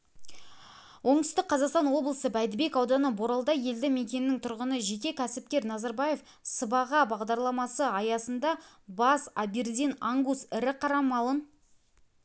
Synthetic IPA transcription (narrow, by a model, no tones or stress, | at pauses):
wʔo̞ɴt̪ʏ̥st̪ɪk̚qʰːɑzɑqst̪ɑnwo̞blˠəsəbæjd̪ɪbe̞kɑwd̪ɑnəboɾɑlˠd̪ɑje̞ld̪ɪme̞kʲe̞nɪnɪŋt̪ʰʊɾʁənəʒe̞kʲe̞kʲʰæsɪp̚kʲe̞ɾnɑzɑɾbɑje̞f | səbɑʁɑbɑʁd̪ɑɾlˠɑmɑsəɑjɑsənd̪ɑ | bɑsabeɾd̪inaŋɡusɪɾɪqʰɑɾɑmɑlˠən